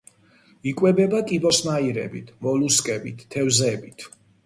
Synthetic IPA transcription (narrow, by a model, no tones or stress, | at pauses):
ikʼwɛbɛbakʼibɔsmaiɾɛ̰bḭt̪ʰmɔluskʼɛbit̪ːʰɛwzɛbit̪ʰ